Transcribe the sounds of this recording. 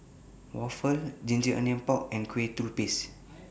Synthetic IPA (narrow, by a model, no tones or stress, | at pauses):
wɔfəld͡ʒĩnd͡ʒiʔə̰nɛ̃mpɔk̚ɛ̃nkʰwet̪ɾupis